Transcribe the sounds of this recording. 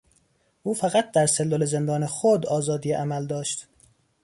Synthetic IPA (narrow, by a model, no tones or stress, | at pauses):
ʔuːfæɣæt̪̚ʰd̪æɾselːoleze̞nd̪ɒːnexod̪ɒːzɒːd̪iːjeʔæmæld̪ɒːʃt̪